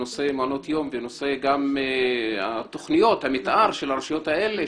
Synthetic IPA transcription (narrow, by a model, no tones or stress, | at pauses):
ose̞mano̞t̪jo̞mveno̞se̞ɡam | at̪o̞χnijo̞t̪hamit̪ʔaʁʃelaʁʃijo̞t̪haele